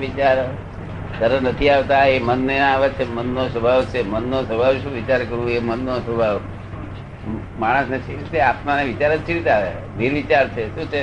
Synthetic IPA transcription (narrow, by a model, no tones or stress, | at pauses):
it͡ʃaɾ | səɾənət̪ʰiaʋt̪aemənːeaʋet͡ʃʰemənːosəbʱaʋt͡ʃʰemənːosəbʱaʋʃũʋit͡ʃaɾkəɾũemənːosʋəbʱaʋ | maɽ̃əsnet͡ʃʰiɾit̪eapnaneʋit͡ʃaɾət͡ʃʰiɾit̪eaʋe | bʱiɾʋit͡ʃaɾt͡ʃʰeʃũt͡ʃʰe